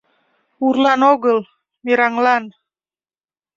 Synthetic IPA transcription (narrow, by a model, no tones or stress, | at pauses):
uɾlanoɡəl | miɾaŋlan